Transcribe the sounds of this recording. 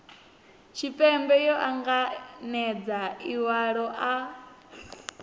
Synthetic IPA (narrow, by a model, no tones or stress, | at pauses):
t͡ʃʰipʼɛmbɛjɔʔaŋɡanɛd͡zaiwaɺɔʔa